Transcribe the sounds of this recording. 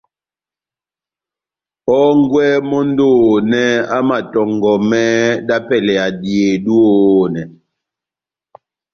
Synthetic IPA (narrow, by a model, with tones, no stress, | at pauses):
ɔ˦ŋɡwɛ˦mɔ˦n˦doː˦nɛ˦a˦ma˨tɔ˨ŋɡɔ˨mɛ˦ɗa˦pɛ˨lɛ˨a˨dje˨dwo˦nɛ˨